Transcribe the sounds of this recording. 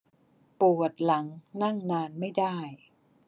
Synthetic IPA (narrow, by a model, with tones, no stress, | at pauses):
pu˨˩ət̪̚la˩˦ŋna˥˩ŋnaː˧nma˥˩jdaː˥˩j